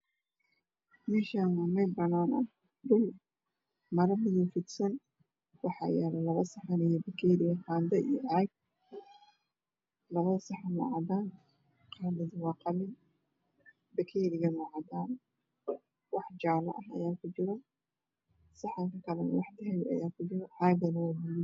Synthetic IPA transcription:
mɛːʃaːnɐmɛjbɐnaːnɐ | d̪ʊl | mɐɾɐmɪjuːfɪd̪sɐn | wɑħɑ̰ːjɛːlɛlɐβɐsɑħɑnɛjɔbɐkʰɛːɾɪɣɐqɑːnd̪ɐijɔʔɑɡ̚ | lɐβɐðɐsɑħanwɑ̰ːʕɑd̪aːn | qɑːnd̪ɐðɐwɑːqɑlɪn | bɐkʰɛːɾɪɣɐnaːʕɑd̪aːn | wɑħt͡ʃaːlɐ̰ʔɐɦɐ̰jaːkʰʊt͡ʃɪɾɐ | sɑħaŋkɐkɐlɐn̰wɑħd̪ɪɦɛjɐ̰jaːkʰʊt͡ʃɪɾɐħɑɡɐnɐwɑːbʊl

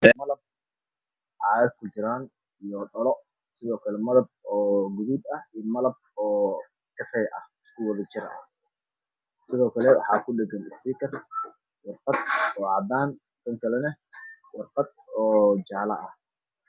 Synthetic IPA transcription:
ɛmɐlɐb̚ | ʕɑːðɐd̪̚kʰʊt͡ʃɪɾaːn | ijɔɗɔlɔ | sɪðɔːkʰɐlɛmɐðɐb̚ɔːɡuðub̪ɐhiːmɐlɐb̚ɔː | t͡ʃɐfɛjʔɐ̰hɪskʰʊwɐðɐt͡ʃɪɾɐ̰ʔɐ̰ | sɪðɔːkʰɐlɛwɑ̰ħɑ̰ːkʰʊɗɛɡɐnɪst̪iːkʰɐr | wɑrqɑd̪ɔːʕɑd̪aːn | t̪ʰɐŋkʰɐlɛnɐ | wɑrqɑd̪̚ɔːd͡ʒaːlɐ̰ʔɐh

